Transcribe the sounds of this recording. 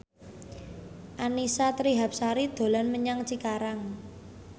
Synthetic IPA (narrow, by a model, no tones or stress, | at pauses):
ʔanisat̪ɾiɦap̚saɾid̪̥o̤lanməɲaŋt͡ʃikaɾaŋ